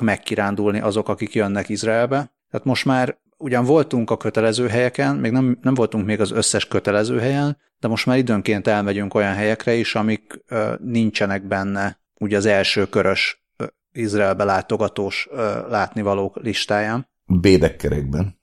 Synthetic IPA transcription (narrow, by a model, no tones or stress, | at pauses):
kmɛkːiɾaːnd̪ulniʔɒzo̞kɒkikjønːɛkizraɛlbɛt̪aːt̪mo̞ʃt̪maːr | uɟɒɱvo̞lt̪uŋkɒkø̞t̪ɛlɛzøːɦɛjɛkɛnmeːɡnɛmnɛɱvo̞lt̪uŋkmeːɡɒzø̞sːɛʃkø̞t̪ɛlɛzøːɦɛjɛn | d̪ɛmo̞ʃt̪maːɾid̪øːŋkeːnt̪ɛlmɛɟyŋko̞jɒnɦɛjɛkrɛiʃɒmikːnint͡ʃɛnɛɡ̚bɛnːɛ | uːɟɒzɛlʃøːkø̞ɾø̞ʃ | izraːlbɛlaːt̪o̞ɡɒt̪oːʃlaːt̪nivɒloːkliʃt̪aːjaːn | beːd̪ɛkːɛɾɛɡ̚bɛn